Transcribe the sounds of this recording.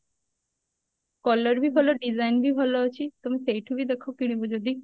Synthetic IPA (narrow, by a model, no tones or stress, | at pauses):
kɔlːəɾbʱibʱɔloɖizajnbʱibʱɔloat͡ɕʰit̪omisejʈʰubid̪ekʰokiɽ̃ibod͡ʑod̪i